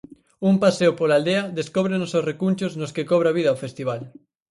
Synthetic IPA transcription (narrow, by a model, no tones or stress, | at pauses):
umpaseopolald̪eɐðeskoβ̞ɾenososrekunt͡ʃoznoskekɔβ̞ɾaβ̞iðɐaowfest̪iβ̞al